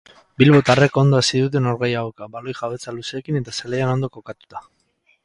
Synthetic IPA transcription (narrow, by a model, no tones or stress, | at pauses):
bilβo̞t̪are̞ko̞nd̪o̞asiðut̪̬e̞noɾɣejaɣokabalojxaβe̞t͡saluseːkine̞t̪asaleano̞nd̪o̞ko̞kat̪u̥t̪ḁ